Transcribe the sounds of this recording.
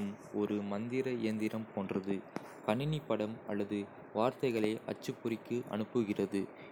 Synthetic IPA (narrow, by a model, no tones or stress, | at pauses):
m | ɔɾɯmɐnd̪ɪɾɐɪjɐnd̪ɪɾɐmpʰoːndrɐðɯ | kɐɳɪnɪpːɐɽɐmɐlːɐðɯ | ʋaːɾt̪ɐɪɣɐɭɐɪʔɐ̰t͡ʃːɯpːʊrɪkːɯʔɐ̰ɳɯpːɯɣɪrɐðɯ